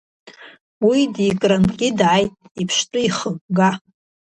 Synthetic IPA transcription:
widikʼramkʲʼɪdʕajtʼ | ipʰʃtʼʊiχəkʷʼɡa

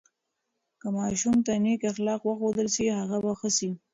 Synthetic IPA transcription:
kəmɑʃumt̪anekaxlɑqwəxod̪əlsihaɣabaxəsi

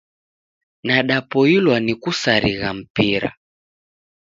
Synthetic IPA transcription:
naɗapɔilwanikusaɾiɣam̩piɾa̰

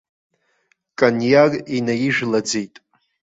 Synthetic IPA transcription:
kʼanjaɡinajiʒᶣlad͡zejtʼ

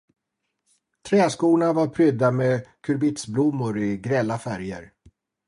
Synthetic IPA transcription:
t̪ʰɾɛːskuːɳavaɾpʰɾʏd̪ːamekʰɵɾbɪt̪sblʊmːʊɾɪɡɾɛlːafæɾjə̰ɾ

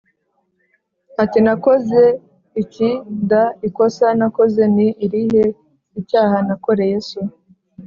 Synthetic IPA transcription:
atinako̞ze̞ | icindaiko̞sanako̞ze̞niːɾihe | icaːhanako̞ɾe̞jeːsu

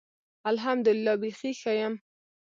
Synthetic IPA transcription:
alɦamd̪ʊlɪlːɑbixixajam

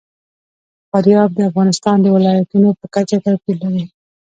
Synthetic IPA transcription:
faɾjɑb̚d̪əafɣɑnɪst̪ɑnd̪əwɪlɑjat̪unopəkat͡ʃat̪akilːaɾi

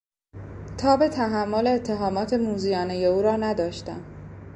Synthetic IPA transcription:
t̪ʰɒːbe̞t̪ʰæɦæmːoleːt̪ʰːe̞ɦɒːmɒːt̪ʰe̞muːzijɒːne̞je̞uːɾɒːnæd̪ɒːʃt̪æ̰m

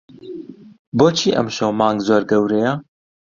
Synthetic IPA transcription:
boːt͡ʃʰiːʔɐ̰mʃɐwmɑːŋɡzoːɾɡɐwɾejɐ

